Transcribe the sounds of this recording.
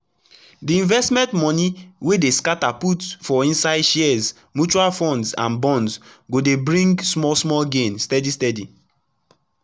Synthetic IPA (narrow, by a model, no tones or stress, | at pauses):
diĩnvɛstmɛ̃ntmɔ̃niwedeskataputfɔĩnsaɪdʃɛz | mjut͡ʃualfɔ̃ndsã̰nbɔ̃nsɡodebɹĩŋɡsmɔsmɔlɡẽnstɛdistɛdi